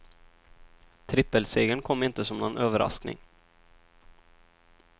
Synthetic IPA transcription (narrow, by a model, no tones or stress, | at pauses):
t̪ʰɾɪpːəlseːɡənkʰɔmːɪnt̪əsɔmnɔnʔøːvəɾʔa̰sknɪ̰ŋ